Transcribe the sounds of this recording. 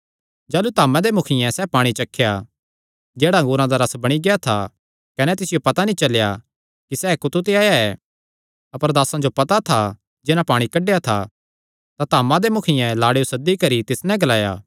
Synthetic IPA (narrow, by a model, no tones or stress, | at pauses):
d͡ʒaːlut̪aːmãd̪emʊkʰɪjɛ̃sɛpaːɽ̃it͡ʃɐkʰːeja | d͡ʒeːɽaɐ̃ŋɡuːɾãd̪aɾɐsbɐɽ̃iɡɪat̪ʰa | kɐnɛt̪ɪsɪjopɐt̪anĩt͡ʃɐlja | kisɛːkʊt̪ut̪̬eaːjaɛː | ɐpəɾd̪aːsãd͡ʒopɐt̪at̪ʰa | d͡ʒɪnãpaːɽ̃ikɐɖːejat̪ʰa̰ | t̪at̪aːmãd̪emʊkʰɪjɛ̃laːɽejosɐd̪ːikɐɾit̪ɪsnɛ̃ɡɐlaːja̰ː